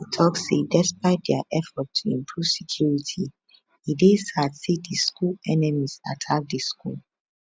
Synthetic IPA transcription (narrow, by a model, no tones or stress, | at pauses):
tʰɔksedɛspaɪt̚dɛaʔɛfɔtʰːuĩmpʰɹuv̥sɛ̥kʰjuɹitʰi | idesadsidəskulɛnɛmiz̥a̰tʰak̚dəskṵl